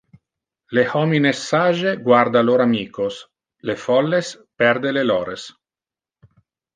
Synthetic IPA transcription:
lehɔminesːaʒeɡward̪aloɾamiːkos | lefɔlːes | pɛrd̪elelɔːɾes

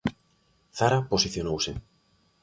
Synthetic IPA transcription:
θaɾaposiθjonowsɪ̰

